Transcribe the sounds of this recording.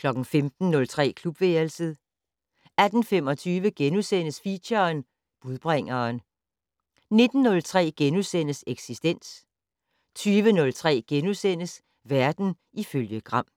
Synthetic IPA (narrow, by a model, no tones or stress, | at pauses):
kʰlɒ̽ɡ̥n̩femd̥n̩nɔ̽lt͡sʰʁɛ̰ːkʰlub̥ʋeːɐlsəðˠ | æd̥n̩fem̰ɒ̽t͡sʰyːʋəɡ̥enusen̰əsfiɕɐn | b̥uðˠb̥ʁaŋ̰ɐːn | ne̝d̥n̩ːɔ̽lt͡sʰʁɛ̰ːɡ̥enusen̰əseɡ̥sisd̥en̰s | t͡sʰyːʋənɔ̽lt͡sʰʁɛ̰ːɡ̥enusen̰əs | ʋæɐd̥n̩ | iføljəɡ̥ʁɑ̈m̰